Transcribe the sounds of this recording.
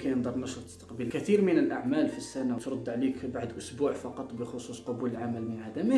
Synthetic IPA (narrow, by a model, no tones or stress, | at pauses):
kæjənd̪ˤɑrˤmæʃʊt̪ə̥st̪ɑ̥qbəlkæt̪iɾmənəlʔaʕmælfisːænat̪ɾˤɑd̪ːʕlikbaʕd̪ʔʊsbuʕfɑqɑt̪ˤbəxosusqɑbuləlʕaməlmənʕad̪æmə